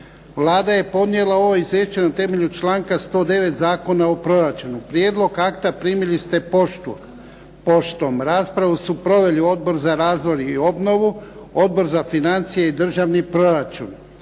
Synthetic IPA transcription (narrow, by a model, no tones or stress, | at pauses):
ʋlˠaːd̪aje̞po̞d̪nije̞lˠao̞ʋoizeːʃt͡ʃenat̪e̞me̞ʎut͡ʃlaːŋkast̪o̞ːd̪e̞ʋe̞t̪zaːko̞nao̞pɾo̞ɾat͡ʃunupɾje̞ːd̪lˠo̞ɡakt̪apɾiːmilist̪e̞o | po̞ʃt̪o̞mɾaːspɾaʋusupɾo̞ʋe̞lio̞d̪̚bo̞ɾzaɾaːzʋo̞jio̞bno̞ʋuo̞d̪̚bo̞ɾzafinant̪sije̞id̪r̩ʒaʋnipɾo̞ɾat͡ʃṵn